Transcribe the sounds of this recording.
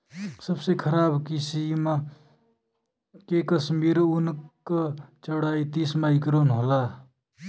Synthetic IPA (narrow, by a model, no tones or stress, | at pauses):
səbsekʰəɾaːbkisima | kekəsmiɾunkʌt͡ʃəɽait̪ismaikɾonɦola